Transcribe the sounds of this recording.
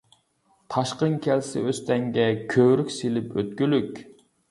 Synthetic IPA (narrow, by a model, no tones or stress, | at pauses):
t̪ʰɑʃqəŋkʲʰɛlsɪ̰øst̪ɛŋɡʲɛkʲʰøɾykʲselɪpøt̪kʲylykʲ